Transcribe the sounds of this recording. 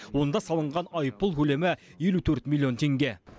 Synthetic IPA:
wo̞nd̪ɑsɑlˠəɴʁɑnɑjpːəlˠkʲʰɵle̞mɪje̞lut̪ʰɵɾt̪mʲilʲˠːio̞nt̪ʰe̞ŋɡʲe̞

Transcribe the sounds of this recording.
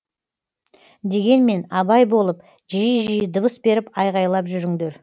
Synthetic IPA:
d̪e̞ɡʲe̞nme̞nɑbɑjbo̞lˠəp | ʒijəʒijəd̪əbəsbe̞ɾɪpɑjʁɑjlˠɑpʒʏɾɪŋd̪e̞ɾ

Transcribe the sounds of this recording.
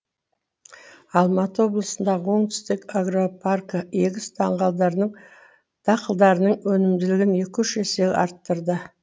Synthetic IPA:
ɑlˠmɑt̪əwo̞blˠəsənd̪ɑʁəwo̞ɴt̪ɪ̥st̪ɪkaɡro̞pʰarkəe̞ɡʲɪst̪ʰɑɴʁɑlˠd̪ɑɾnəɴ | t̪ʰɑqəlˠd̪ɑɾənəɴwɵnɪmd̪ɪlɪɡʲɪne̞kʲʰɵʃeseɑ̰ɾt̪ːəɾd̪ə

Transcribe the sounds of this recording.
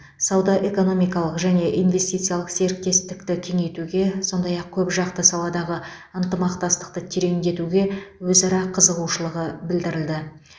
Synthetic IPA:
sɑwd̪ɑʔe̞ko̞no̞mijkɑlˠəqʒæne̞ʔijnve̞st̪ijt̪sɨijalˠəqse̞ɾk̚t̪e̞st̪ɪkt̪ɪkʲʰe̞ŋe̞jt̪uɡʲe̞so̞nd̪ɑjɑq̚kʲʰɵpʒɑqt̪əsɑlˠɑd̪ɑʁə | ənt̪əmɑqt̪ɑst̪ə̥q̚t̪ət̪ʰeɾe̞ŋd̪e̞t̪uɡʲe̞wɵzɑɾɑqʰəzəʁuʃəlˠəʁəbɪld̪ɪɾɪld̪ɪ

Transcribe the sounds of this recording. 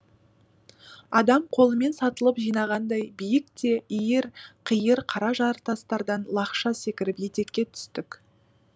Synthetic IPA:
ɑd̪ɑmqʰo̞lˠəme̞nsɑt̪əlˠəpʒijnɑʁɑnd̪ɑjbijɪk̚t̪e̞ijɪɾqʰijəɾqʰɑɾɑʒɑɾt̪ɑst̪ɑɾd̪ɑnlˠɑqʃɑse̞kʲɪɾɪpje̞t̪e̞kkʲːe̞t̪ʰʏ̥st̪ɪk

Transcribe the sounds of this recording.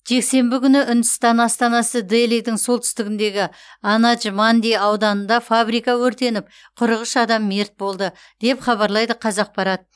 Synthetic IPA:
ʒ̥e̞kse̞mbɪkʲʏnɪʔʏnd̪ɪst̪ɑnɑst̪ɑnɑsəd̪ejlˠijd̪ɪŋso̞lˠt̪ʰʏ̥st̪ɪɡʲɪnd̪e̞ɡʲɪ | ɑnɑʒmɑnd̪ejɑwd̪ɑnənd̪ɑfabɾijkɑwɵɾt̪e̞nɪp̚ | qʰʊɾəʁəʃɑd̪ɑmːe̞ɾt̪̚bo̞lˠd̪ə | d̪̥e̞pχɑβɑɾlˠɑjd̪əqʰɑzɑq̚bɑɾɑd̪ə

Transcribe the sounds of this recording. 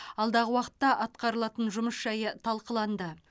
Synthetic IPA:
ɑlˠd̪ɑʁəwɑqət̪ːɑʔɑt̪̚qɑɾəlˠɑt̪ənʒʊməsʒ̥ɑjət̪ʰɑlˠqəlˠɑnd̪ə

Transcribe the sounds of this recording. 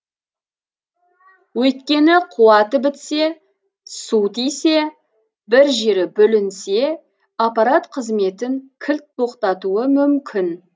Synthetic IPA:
wɵjt̪kʲe̞nɪqʰuwɑt̪əbɪt̪se̞ | sut̪ijse̞ | bɪɾʒe̞ɾɪbɵlɪnse̞ | apɑɾat̪qʰəzme̞t̪ɪŋkʲʰɪlt̪̚p̪ʰo̞qt̪ɑt̪uəmʏmkʲʰɪn

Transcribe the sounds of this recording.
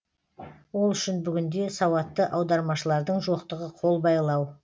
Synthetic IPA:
wo̞lˠʏʃɪnbʏɡʲɪnd̪e̞sɑwɑt̪ːəʔɑwd̪ɑɾmɑʃəlˠɑɾd̪əɴʒo̞qt̪əʁəqʰo̞lˠbɑjlˠɑw

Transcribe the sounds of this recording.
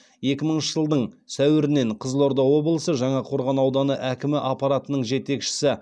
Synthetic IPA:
je̞kʲɪməɴənʃəʒəlˠd̪əɴsæwɪɾɪne̞ɴqʰəzlˠo̞ɾd̪ɑwo̞bəlˠəsəʒɑɴɑqʰo̞ɾʁɑnɑwd̪ɑnəʔækʲɪmɪʔɑpɑɾat̪ənəɴʒe̞t̪e̞kʃɪ̥sɪ

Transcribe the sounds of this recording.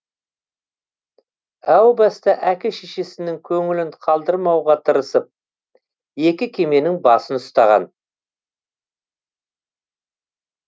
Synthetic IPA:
æwbɑst̪ɑʔækʲɪʃeʃe̞sɪnɪŋkʲʰɵŋɪlɪɴqʰɑlˠd̪əɾmɑwʁɑt̪ʰəɾəsəp̚ | je̞kʲɪkʲʰe̞me̞nɪŋbɑsənʊst̪ɑʁɑ̰n

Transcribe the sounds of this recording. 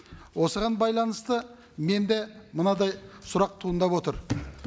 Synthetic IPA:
wo̞səʁɑnbɑjlˠɑnəst̪ə | me̞nd̪e̞mənɑd̪ɑjsʊɾɑq̚t̪ʰuənd̪ɑpwo̞t̪əɾ

